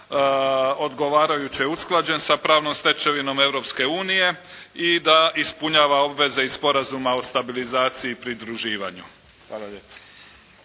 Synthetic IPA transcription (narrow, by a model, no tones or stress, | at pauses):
o̞d̪ɡo̞ʋaːɾajut͡ɕeeusklˠad͡ʑe̞nsapɾaːʋno̞mst̪e̞t͡ʃe̞ʋino̞me̞ʋɾo̞pske̞uːnije̞ | id̪aʔispuɲaːʋao̞bʋe̞ze̞ispo̞ɾazumao̞st̪abilizaːt̪siiːpɾid̪ɾuʒiːʋa̰ɲu | xaːlaepa